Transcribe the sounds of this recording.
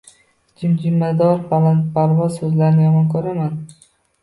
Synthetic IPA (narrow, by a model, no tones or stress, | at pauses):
d͡ʒɪmd͡ʒɪmːad̪ɒɾpalapʰaɾvɒz̥sɵzlaɾɪnɪjɒmɒnkʰɵɾaman